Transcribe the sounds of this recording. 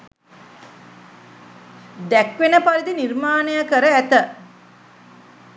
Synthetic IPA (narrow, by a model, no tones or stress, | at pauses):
d̪ækʋenəpaɾid̪inirmaːnəjəkəɾəæt̪ə